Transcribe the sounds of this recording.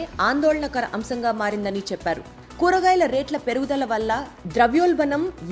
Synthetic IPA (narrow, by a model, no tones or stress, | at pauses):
aːnd̪oːɭɐɳɐkɐɾɐʔɐmsɐŋɡaːmaːɾind̪ɐnit͡ʃɛpːaːɾṵ | kuːɾɐɡaːjlɐɾe̞ːʈlɐpe̞ɾuɡud̪ɐlɐʋɐlːɐd̪ɾɐʋjoːlbɐnɐmʋ